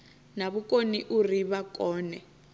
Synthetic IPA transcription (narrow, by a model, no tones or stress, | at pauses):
naβukʼoniʔuriβakɔːnɛ